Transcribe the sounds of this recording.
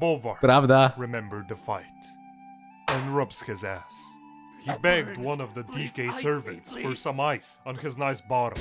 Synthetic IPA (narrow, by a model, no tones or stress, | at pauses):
bolˠvɑɹɾavd̪aɹɨmɛ̃mbə˞d̪̚ðɨfaɪɾ | ɨ̃nɹʌbz̥hɨzæs | hibɛɡ̚d̚wʌ̃nʌvðɨdikeɪsɜ˞vɨ̃ntsfə˞sʌ̃maɪsn̩ɨznaɪsb̥ɑɾə̰̃m